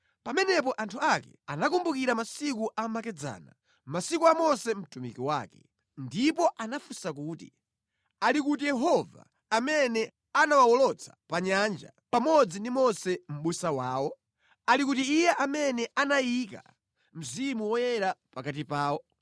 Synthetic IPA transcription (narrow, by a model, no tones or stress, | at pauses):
pamɛnɛp̬ɔʔantʰuakɛ̰anakumbukiɾamasikuʔamakɛd͡za̰ːna̰ | masikuamɔsɛm̩tumḭkiwa̰ːkɛ̥ | ndipɔʔanafusak̬uːtḭ | alikutijɛɦɔva̰ː | mɛnɛ | anawawɔlɔt͡sʰḁpaɲand͡ʒa̰ | pamɔd͡zindimɔsɛm̩ɓusawaːwɔ | alikutiːjɛʔamɛnɛʔanajika̰ | m̩zimuwɔjɛɾapakatipaːwɔ